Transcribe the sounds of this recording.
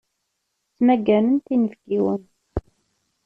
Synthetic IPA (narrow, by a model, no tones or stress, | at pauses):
t͡sːmæɡːænənt̪inəfɡiwən